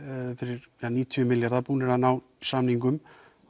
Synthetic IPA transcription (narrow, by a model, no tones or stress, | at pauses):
fɪɾɪɾjaniːt̪ʰiʏmɪljaɾðapuːnɛɾanaːw | samniŋkʏm